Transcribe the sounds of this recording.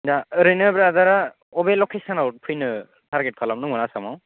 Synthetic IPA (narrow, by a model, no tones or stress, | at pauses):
daɾɯnɯbɾadaɾa | ɔbelɔkʰesanawt̚pʰɯjnɯ | tʰaɾɡet̚kʰalamnɯŋɯnasamaw